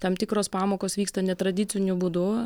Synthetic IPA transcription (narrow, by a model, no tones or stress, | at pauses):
t̪ɐmt̪ʲɪkɾoːspɑːmoːkoːsʋʲiːkst̪ɐnʲɛt̪ɾɐd̪ʲɪsʲɪnʲʊbuːd̪ʊ